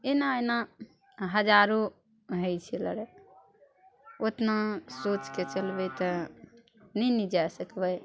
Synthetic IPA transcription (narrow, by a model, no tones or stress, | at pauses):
enana | ɦəd͡ʒaɾo | ɦəjt͡ʃʰilə̰ɾe | ot̪nasot͡ʃket͡ʃəlbət̪ə | nɛnid͡ʒasəkbəj